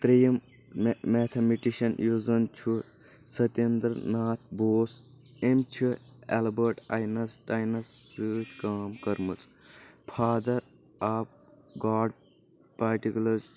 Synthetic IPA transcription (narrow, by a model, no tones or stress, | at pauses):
t̪ɾijɐm | meːt̪ʰɐmiʈiʃɐnjuzɐnt͡ʃʰu | sɐt̪end̪ɾnaːt̪ʰboːs | emt͡ʃʰuɛ̰lbɐɾʈɐ̰jnɐsʈɐjnɐsːɨːt̪kaːmkɐɾmɨt͡spʰaːd̪ɐɾ | aːp̚ | ɡaːɖ | paɾʈikʲulɐz